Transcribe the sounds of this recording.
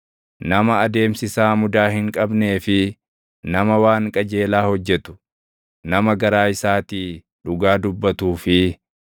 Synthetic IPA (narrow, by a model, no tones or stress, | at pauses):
nɐmɐːd̪e̞ːmsɪsaːmʊd̪aːhɪŋkʼɐbne̞ːfɪ | nɐmɐwaːŋkʼɐd͡ʒe̞ːlaːhɔd͡ʒːɛt̪ʊ̥ | nɐmɐɡɐɾaːɪsaːt̪iː | d̪ʊɡaːd̪ʊbːɐt̪uːfɪ